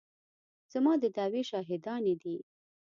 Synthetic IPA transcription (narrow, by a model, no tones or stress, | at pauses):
z̥amɑd̪əd̪ɑweʃɑɦɪd̪ɑned̪i